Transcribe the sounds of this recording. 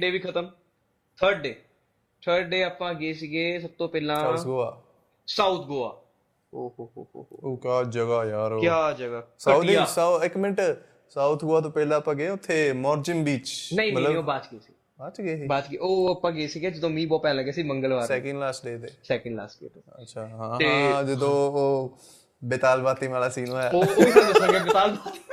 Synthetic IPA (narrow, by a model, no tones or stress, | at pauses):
ɖeːʋiːkʰət̪əm | t̪ʰəɾɖɖeː | t̪ʰəɾɖɖeːaːpãːɡeːsiɡeːs̬əb̚t̪õːpɛːlãːɡoːaː | saːut̪ʰɡoːa̰ː | oːɦoːoːɦo̰okjaːd͡ʒəɡaːjaːɾkːjaːd͡ʒəɡaːsːsaɪkmɪ̃ɳʈ | saːut̪ʰɡoːaːt̪õːpɛːlãːpãːɡeːʊt̪ʰːeːmɔːɾd͡ʒɪmbiːt͡ʃnəĩmələoːbaːt͡ʃkesiː | baːt͡ʃɡeːsiːbaːt͡ʃkeːʔoːpəɡeːsiːɡɛːd͡ʒəd̪õːmĩːbɔːt̪̚pɛːnləɡɛːsiːməŋɡəlʋaːɾsɛːkə̃ɳɖlaːsʈ̚ɖeːt̪eːsɛːkə̃ɳɖla̰ːsʈḛːt̪ːətːʃʰaːɦãːɦ̪ẽːd͡ʒəd̪õːoː | bɪt̪aːlbaːt̪iːʋaːlaːsiːnõːɛːooiːə̃nd͡ʒesə̃ɡebɪt̪aːlbaːt̪i